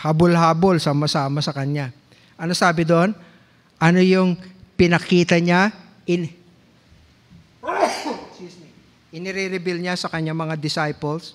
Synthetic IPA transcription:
habolɦaːbolsamɐsaːmɐsɐkɐɲːa | ʔɐnosaːbɪd̪oʔon | ʔɐno̞jʊŋpɪnɐkiːt̪ɐɲa | ʔɪn | s | ʔɪnɪɾiɾɪbɪlɲasɐkɐɲːaŋmɐŋad̪ɪsajpɛls

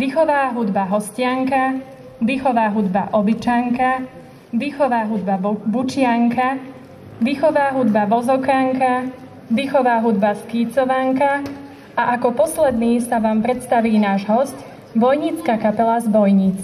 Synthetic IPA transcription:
ʋiːxɔʋaːɦud̪baɦɔscɪaŋka | ʋiːxɔʋaːɦud̪baʔɔbit͡ʃaŋka | ʋiːxɔʋaːɦud̪babut͡ʃɪaŋka | ʋiːxɔʋaːɦud̪baʋɔzɔkaŋka | ʋiːxɔʋaːɦud̪baskiːt͡sɔʋaŋka | aʔakɔpɔslɛd̪niːsaʋaːmpɾɛt̪st̪aʋiːnaːʒɦɔsc | bɔjɲit͡skakapɛlazbɔjɲit͡s

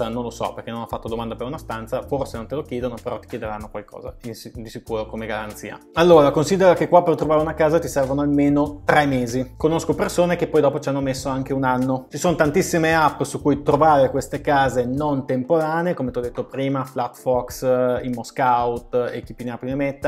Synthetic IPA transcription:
anõnlosɔ̰perkenonɔfat̪ːod̪omand̪apeɾunast̪ant̪saforsenont̪elokjeːd̪onopeɾɔt̪ːik̟jed̪eɾanːokwalkɔ̰ːza̰insid̪isikuːɾokomeɡaɾa̰nt̪sḭːa̰alːoːɾakonsiːd̪eɾokekːwapːert̪ːɾovaːɾeunakaːzat̪isɛrvonoalmeːnot̪ɾɛmeːzikonoskopersoːnekepːɔjd̪ɔːpot͡ʃianːomesːoaŋk̟eunanːot͡ʃisoːnot̪ant̪isːimeapːsukujt̪ɾovaːɾekwest̪ekaːzenont̪empoɾaːneekomet̪ɔd̪ːet̪ːopɾiːmaflat̪fɔksinmoskaut̪ḛk̟ipːinapinemɛt̪ːa

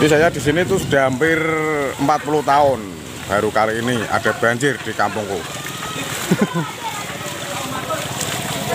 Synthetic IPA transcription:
isajad̪̥i̤s̬init̪ʊsd̪̥a̤mpɪrəmpat̪̚pulut̪aʊn | b̥a̤ɾukaliinia̰d̥a̤b̥aɲd͡ʒɪrd̥ikampʊŋku

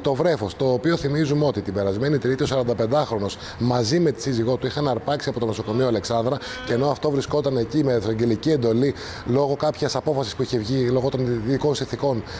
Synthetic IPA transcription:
t̪o̞vɾe̞fo̞st̪o̞ːpio̞θimizumeo̞t̪it̪ibe̞ɾɐzme̞nit̪ɾit̪io̞s̬ɐɾɐnd̪ɐpe̞nd̪ɐxɾo̞no̞s | mɐzime̞t̪i̥siziɣo̞t̪uixɐnɐɾpɐksiɐpo̞t̪ono̞so̞ko̞mioɐle̞ksɐnd̪ɾɐceno̞ɐft̪o̞vɾisko̞t̪ɐnecimesɐɟe̞licie̞nd̪o̞li | lo̞ɣo̞kɐpçɐsɐpo̞fɐsispuiçe̞vʝilo̞ɣo̞t̪onðiko̞nsinθiko̞n

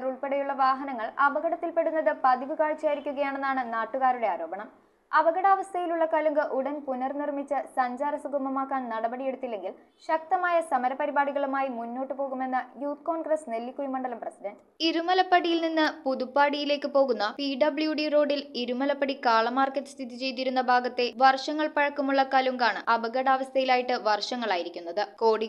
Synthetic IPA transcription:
ɾuɭpe̞ɽɐjuɭːɐʋaːɦɐnɐŋːɐɭɐbɐɣɐɽɐt̪ːilpe̞ɽunːɐðɨpɐðiʋikaːɻt͡ɕːaːjiɾikʲːuɣɐjaːɳe̞nːaːɳɨnaːʈːuɣaːɾuɽe̞aːɾo̞ːbɐɳɐm | ɐʋɐɣɐɽaːʋɐst̪ʰɐjiluɭːɐkɐluŋɡɨʔuɽɐnpunɐrnirmit͡ɕːɨsɐɲd͡ʑaːɾɐsuɡʱɐmɐmaːkːaːnnɐɽɐbɐɽije̞ɽut̪ːilːe̞ŋɡil | ɕɐk̚t̪ɐmaːjɐsɐmɐɾɐpɐɾibaːɽiɣɐɭumaːjimunːo̞ːʈːɨpo̞ːɣume̞nːɨjuːt̪̚ko̞ːɳɡrɐsne̞lːikʲːujimɐɳɖɐlɐmprɐsidɐnɖ | iɾumɐlɐpːɐɽijilninːɨpuðupːaːɽijile̞ːkːɨpo̞ːɣunːɐpiɖɐbɭjuɖijuro̞ːɖiliɾumɐlɐpːɐɽikaːɭɐmaːrkːɐʈːɨ̥st̪ʰiðit͡ɕe̞jt̪̬iɾunːɐbʱaːɡɐt̪ːe̞ʋɐrʂɐŋːɐɭpɐɻɐkːumuɭːɐkaːluŋɡaːɳɨʔɐbɐɣɐɽaːʋɐst̪ʰɐjilaːjiʈːɨʋɐrʂɐŋːɐɭaːjiɾikʲːunːɐðɨko̞ːɽi

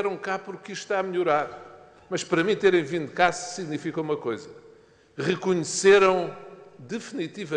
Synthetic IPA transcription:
ɛɾɐ̃w̃kapuɾkiʃt̪aɐmʎuɾaɾ | mɐʃpɐɾɐmĩt̪eɾɐ̃j̃vĩnd̪ukazsiɣnifikɐumɐkojzɐ | ʁɨkuɲseɾɐ̃w̃d̪ɨfnit̪ivɐ

